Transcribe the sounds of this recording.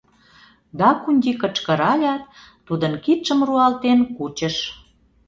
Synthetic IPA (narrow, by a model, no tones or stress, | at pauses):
d̪ɑkunʲd̪ʲikət͡ɕkə̆ɾɑlʲɑt̪ː | ud̪ənkit̪ʃəmruɑlt̪enkut͡ɕə̆ʃ